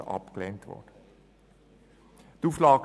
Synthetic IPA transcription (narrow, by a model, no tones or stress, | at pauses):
ʔɑ̰pklɛntʋɔ̰d̥ə | d̥uːflɑːɡ